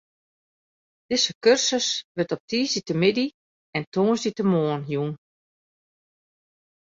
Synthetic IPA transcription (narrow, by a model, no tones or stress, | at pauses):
d̥ɪsəkørsəsʋɪtɔp̚tiːsditəmɪdi | ɛntoːəsditəmoːənjun